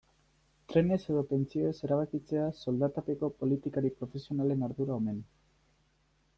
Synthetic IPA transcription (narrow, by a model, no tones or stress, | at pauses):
t̪ɾe̞ne̞se̞ðo̞pe̞nt͡sio̞ese̞ɾaβ̞akit͡se̞aso̞ld̪at̪ape̞ko̞po̞lit̪ikaɾipɾo̞fe̞sio̞nale̞naɾðuɾaome̞n